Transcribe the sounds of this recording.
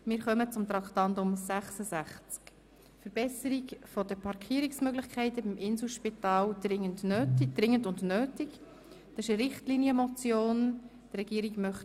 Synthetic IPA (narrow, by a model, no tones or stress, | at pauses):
mɪːɾχœmət͡sʊmt̪ɾɑkχtɑndʊmsæχsəzæχt͡sk | fəɾb̥ɛsəɾikfɔd̥əpʰɑɾkʰiəɾiksmøɡlɪχkʰɛɪtəbimʔɪnsl̩ˠʃpitɑːld̪̥ɾɪŋːəndnøːtid̥ɾɪŋːəndʊndnøːtɪk | d̥ɑsɪʃəɾɪχtliniəmɔt͡sjoːn | d̥ɾɛɡiːəɾiɡmœχt